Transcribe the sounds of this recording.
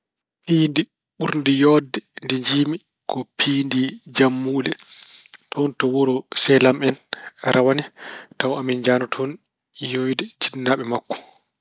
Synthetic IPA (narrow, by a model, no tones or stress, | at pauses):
piːndi | ɓuɾndijɔːdːɛndiɲd͡ʒiːmi | kɔpʰiːndid͡ʒamːuːlɛ | tʰɔntɔwɔɾɔsɛlamɛnɾʔawanɛtawamind͡ʒaːnɔtʰɔn | jojdɛd͡ʒidnːaɓɛmakːɔ̥